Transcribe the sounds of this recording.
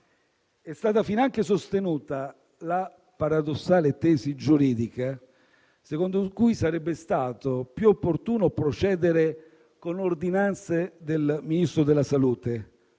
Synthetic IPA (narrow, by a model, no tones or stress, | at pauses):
ɛst̪aːt̪afinaŋk̟esost̪enuːt̪a | la | paɾad̪osːaːlet̪ɛːzid͡ʒuɾiːd̪ika | sekond̪okujsaɾɛbːest̪aːt̪opjuopːort̪uːnopɾot͡ʃɛːd̪eɾe | konord̪inant̪sed̪elminist̪ɾod̪elːasaluːt̪e